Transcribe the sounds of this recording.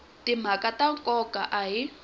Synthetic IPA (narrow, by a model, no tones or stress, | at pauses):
tim̤akʼataŋkʼɔkʼaʔaɦi